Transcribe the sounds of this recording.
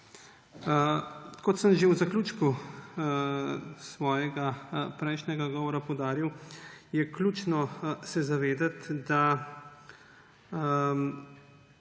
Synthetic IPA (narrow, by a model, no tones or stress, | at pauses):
kɔt̪səmʒewzaklʲuːt͡ʃku | sʋɔːjɛɡapɾɛjʃnʲɛɡaɡɔːʋɔɾapɔwd̪aːɾiwjɛklʲuːt͡ʃnɔsɛzaʋeːd̪at̪d̪a